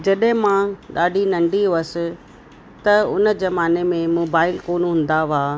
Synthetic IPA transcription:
d͡ʑɐɗɦɪ̃mãɗaːɖʱinɐ̃ɳɖioəsɪ̆ | t̪ɐʊnəd͡ʑɐmaːnemẽmoːbaːɪlkoːnɦʊ̃n̆d̪aʋaː

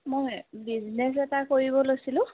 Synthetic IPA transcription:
mojbiznɛs̬ɛtakoɹibɔlosilʊ̃

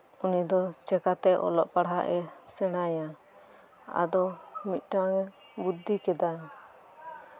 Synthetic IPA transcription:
unid̪ɔt͡ʃɛkat̪ɛʔɔ̰lɔʔpaɽɦaʔɛsɛɽ̃aja | a̰d̪ɔmit̪̚ˀʈaŋɛ | bud̪ːikɛd̪a

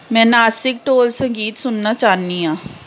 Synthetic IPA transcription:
mɛ̃ːnaːsɪk̚ʈoːlsə̃ŋɡiːt̪sʊnːaːt͡ʃaːniːãː

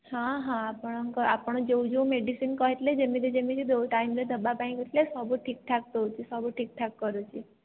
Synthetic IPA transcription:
hãɦãapəɳəkəapəɳ̃d͡ʒoũd͡ʒoũmeɖisinkəɦet̪led͡ʒemit̪ed͡ʒemĩt͡ʃʰed̪oʈaimled̪əbapãĩkət̪lesabuʈʰik̚ʈʰak̚t̪əut͡ʃʰesabuʈʰik̚ʈʰakːəɾut͡ʃʰie

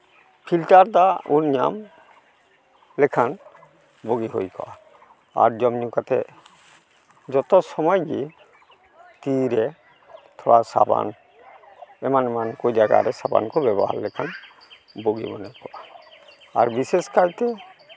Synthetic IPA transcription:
pʰilʈaɾd̪aunɲa̰m | lɛkʰan | boɡiɦo̰jkɔ̰ʔa | a̰ɾd͡ʒɔmɲukat̪ɛ̰ | d͡ʒɔt̪ɔsɔmɔjɡi | t̪iɾɛ | t̪ʰɔwasa̰ba̰n | ɛmanɛmankɔd͡ʒaɡa̰ɾɛsaba̰nkɔbɛbɔɦa̰ɾlɛkʰan | boɡḭbɔnajkɔʔa | aɾbiseskajt̪ɛ

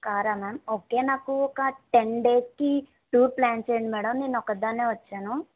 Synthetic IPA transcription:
kaːɾamɛːmoːkeːnaːkuoːkaʈenɖeːski | ʈuːɾplaːnseːɳɖmeːɽɐmnenɔkəd̪aːneːʋɐtːʃaːnu

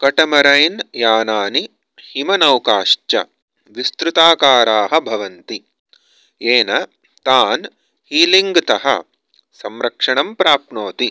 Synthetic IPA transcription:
kɐʈɐmɐɾɐjnjaːnaːni | himɐnɐwkaːʂt͡ʃɐ̰ | ʋist̪ɾut̪aːkaːɾaːɦɐ̆bʱɐʋɐnt̪i | eːnɐ | t̪aːn | hiːliŋɡt̪ɐɦɐ̰ | sɐmɾɐkʂɐɳɐmpɾaːpnoːt̪i

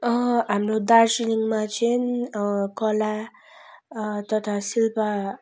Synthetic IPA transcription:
ʌɦamrod̪aɾsiniŋmat͡sʰinkʌla | t̪ʌt̪ʰasilpa

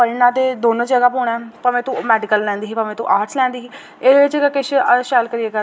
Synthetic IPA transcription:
pəɾnãːt̪eːd̪oːnõːd͡ʒəɡaːpoːɳaːpəmẽːt̪ũmɛːɖɪkəllɛ̃ːnd̪iːɦiːpəmẽːt̪ṵ̃ːʔaːɾʈslɛ̃ːnd̪iːiː | eːd̪eɪt͡ʃekəkɪʃʃɛːlkəɾiːeːkə

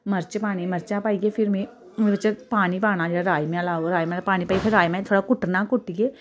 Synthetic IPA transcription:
mɐɾt͡ʃpaːñimɐɾt͡ʃapaːiɡepʰɪɾmẽ | mẽbɐt͡ʃepaːnipaːñad͡ʒɽaɾaːjmẽɐlaːoɾaːjmẽpaːñipaːipʰɪɾːaːjmẽt̪ʰoːɽakʊʈnakʊʈːiɡeː

